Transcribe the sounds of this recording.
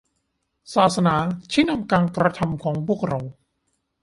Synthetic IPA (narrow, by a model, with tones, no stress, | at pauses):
saː˨˩t̪̚sa˧naː˩˦t͡ɕʰi˦˥˩na˧mkaː˧nkɾa˧t̪ʰa˧mkʰɔː˩˦ŋpʰu˥˩ək̚ɾa˧w